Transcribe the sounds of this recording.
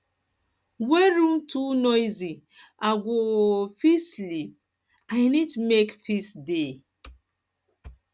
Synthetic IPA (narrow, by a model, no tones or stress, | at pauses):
weɾũm̩tunɔjzi | aɡʷofislip̚ | ajnitumekfisde